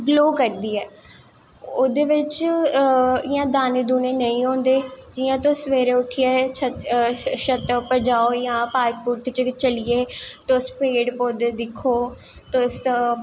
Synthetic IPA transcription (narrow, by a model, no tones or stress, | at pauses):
bloːkəɾd̪iːɛː | oːd̪eːʋɪt͡ʃ | ɪjãːd̪aːned̪uːneːnəĩːɦõːnd̪eːd͡ʒɪjãːt̪osʋeːɾẽːʊʈʰɪjeːə | ʃət̪ːpəɾd͡ʒaːoːjãːpaːɾk̚puɾʈt͡ʃt͡ʃəlɪjeːt̪ospeːɽpod̪d̪ɪkʰːoː | t̪ʊs